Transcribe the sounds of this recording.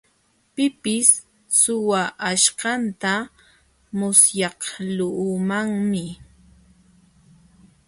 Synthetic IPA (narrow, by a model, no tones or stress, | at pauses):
pɪpɪs | sʊwaʔaʃɢɑnt̪a | mʊsjɑqlʊʊmaŋmɪ